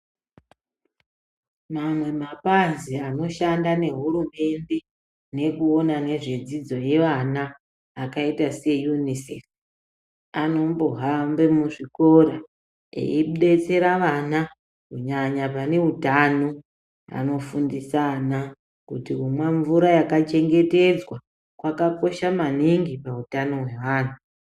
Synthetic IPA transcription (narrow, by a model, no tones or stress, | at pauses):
mamwe̞mapanziano̞ʃandane̞ɦuɾume̞nde̞ | ne̞kuo̞nane̞ʐed͡zid͡zo̞je̞ʋanaː | kaitase̞junisḛf | ano̞mboɦambemuʐiko̞ɾa | ḛiɗe̞t͡se̞ɾaʋana | kuɲaɲapane̞ɦutano | a̰no̞fundisana | kutikumweɱvuɾajakat͡ʃe̞ŋɡe̞te̞d͡zwa | kwakapo̞ʃamaniŋɡipautano̞ɦwe̞ʋaːnu